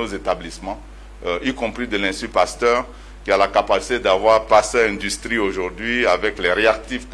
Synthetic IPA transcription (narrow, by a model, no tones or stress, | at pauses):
ozet̪ablismɑ̃ | ikɔ̃pχid̪əlɛ̃sypast̪œʁ | kʲialakapasi̥t̪ed̪avwaʁpast̪ɛʁɛ̃d̪yst̪χioʒuʁd̪ɥiavɛklɛʁeak̚t̪ifk